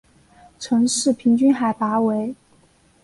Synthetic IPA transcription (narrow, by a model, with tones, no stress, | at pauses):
ʈ͡ʂʰɤ˧˥ŋʂɻ̩˥˩pʰi˧˥ŋt͡ɕy˥nxa˨˩ɪpa˧˥we˧˥ɪ